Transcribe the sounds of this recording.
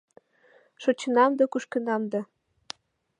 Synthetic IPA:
ʃŏt͡ɕənɑmd̪ɤ̆kuʃkə̆nɑmd̪ɤ

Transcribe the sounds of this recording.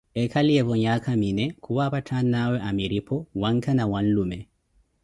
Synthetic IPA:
ʔɛkʰaliɛbɔɲakʰaminɛkʰɔwapatʰanːawɛʔamiɾipʰɔwaŋkanawanlumɛ

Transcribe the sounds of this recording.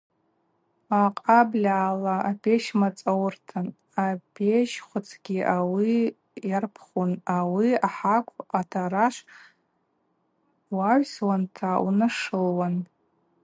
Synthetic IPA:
aqʼablʲaːlaapʲʰeʃmat͡sʼawrtʰan | apʰeʃχʷʊt͡sʰɡʲiʔawi | jarpʰχunawiaħakʷʰʼatʰaɾaʂʷ | waʕʷswantʰaunaʂɨlwan

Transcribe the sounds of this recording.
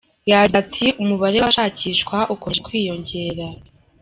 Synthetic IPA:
jaːɟzatʰiumuβaɾewaʃaːciːʃkwaʔukoʒekwiːjo̞ɲɟe̞ːɾa

